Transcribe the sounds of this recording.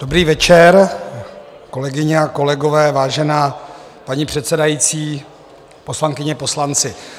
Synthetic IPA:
d̥o̞bɾiːvɛt͡ʃɛɾ | ko̞lɛɡɪɲɛako̞lɛɡovɛːvaːʒɛnaː | paɲipr̝̥ɛt̪sɛdajit͡siː | poslaŋkɪɲɛpo̞slant͡sɪ

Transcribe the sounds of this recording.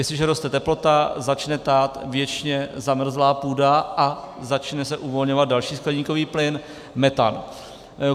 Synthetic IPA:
jɛslɪʒɛɾo̞st̪ɛt̪ɛplo̞t̪azat͡ʃnɛt̪aːt̪vjɛt͡ʃɲɛzamr̩zlaːpuːdaʔa | zat͡ʃnɛsɛʔuvo̞lɲovat̪̚dalʃiːsklɛɲiːko̞viːplɪn | mɛt̪a̰n

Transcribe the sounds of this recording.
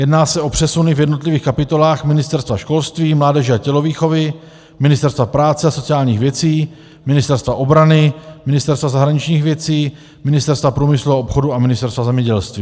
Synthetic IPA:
jɛdnaːsɛʔo̞pr̥ɛsunɪvjɛdno̞t̪lɪviːxkapɪt̪o̞laːxmɪnɪst̪ɛɾst̪vaʃko̞lst̪viːmlaːdɛʒɛacɛlo̞viːxo̞vɪ | mɪnɪst̪ɛɾst̪vapɾaːt͡sɛaso̞t͡sɪaːlɲiːxvjɛt͡siː | mɪnɪst̪ɛɾst̪vaʔo̞bɾanɪmɪnɪst̪ɛɾst̪vazaɦɾaɲɪt͡ʃɲiːxvjɛt͡siː | mɪnɪst̪ɛɾst̪vapɾuːmɪsluaopxo̞duamɪnɪst̪ɛɾst̪vazɛmɲɛɟɛlst̪viː

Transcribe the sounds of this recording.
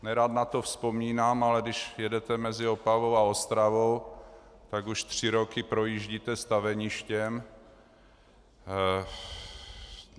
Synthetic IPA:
nɛɾaːt̪nat̪ofspomiːnaːmalɛdɪʃjɛdɛt̪ɛmɛzɪopavo̞waost̪ɾavo̞w | t̪aɡuʃt̪r̝̥ɪɾokɪpɾo̞jiːʒɟiːt̪ɛst̪avɛɲɪʃcɛm

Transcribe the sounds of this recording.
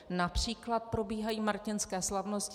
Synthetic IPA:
napr̝̥iːklat̪̚pɾo̞biːɦajiːmaɾcɪnskɛːslavnosc

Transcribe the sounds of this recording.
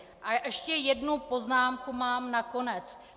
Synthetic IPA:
ʔaʔɛʃcɛjɛdnupo̞znaːmkumaːmnako̞nɛt͡s

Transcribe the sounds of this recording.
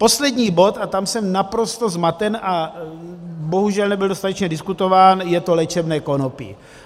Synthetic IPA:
po̞slɛdɲiːbo̞t̪at̪amsɛmnapɾo̞st̪o̞zmat̪ɛnʔa | bo̞ɦuʒɛlnɛbɪldost̪at̪ɛt͡ʃɲɛdɪskut̪o̞vaːnjɛt̪o̞lɛt͡ʃɛbnɛːko̞nopɪ̰

